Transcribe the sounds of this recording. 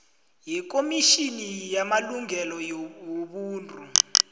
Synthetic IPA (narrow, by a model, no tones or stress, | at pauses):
jik̬omiʃinijamaluŋʱɛlɔjwoɓuːntʼu